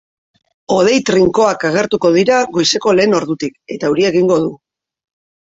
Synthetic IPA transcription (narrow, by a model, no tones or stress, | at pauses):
o̞ð̞e̞jt̪ɾiŋko̞akaɣ̞e̞ɾt̪uko̞ð̞iɾaɣo̞jse̞ko̞le̞ːno̞ɾðut̪ike̞t̪auɾieɣiŋɡo̞ð̞u